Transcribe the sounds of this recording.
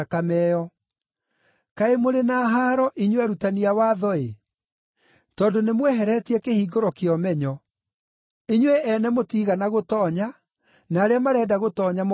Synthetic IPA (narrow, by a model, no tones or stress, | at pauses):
akamɛːɔ | kaemoɾenaːɦaːɾɔʔiɲwɛɾutaniawaːðɔe | tɔːndonemwɛɦɛɾɛtiɛkehiːɡoɾɔkeɔmɛɲɔ | iɲweʔɛnɛmotiːɣanaɣotɔːɲa | naːɾeamaɾɛːdaɣotɔːɲam